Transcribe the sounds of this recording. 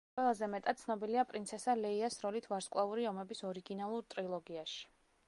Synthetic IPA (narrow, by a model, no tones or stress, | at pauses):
qʼwɛlˠazɛmɛt̪ʼad̪̥̚t̪sʰnɔbiliapʼɾint̪sʰɛsalɛiasɾɔlit̪ʰvaɾskʼwlˠauɾiɔmɛbisɔɾiɡinalˠuɾt̪ʼɾilˠɔɡiaʃi̥